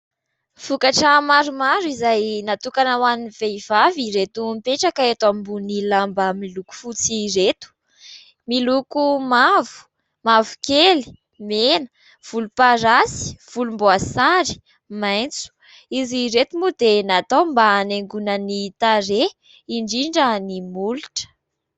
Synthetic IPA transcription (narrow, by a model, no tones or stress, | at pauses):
fukaʈ͡ʂəmaɾumaɾizajnat̪ukanawaniniveiv̥aviɾet̪umpeʈ͡ʂakaet̪amimbunilambəmiluku̥fut͡siret̪u̥ | milukumavu̥ | mavu̥keli̥ | menə̥ | v̥ulupaɾasi̥v̥ulumboasaɾi̥ | majnt͡su̥ | iziɾet̪umud̪enat̪ombaːneŋɡunənit̪aɾe | iɳɖ͡ʐiɳɖ͡ʐənimuluʈ͡ʂə̥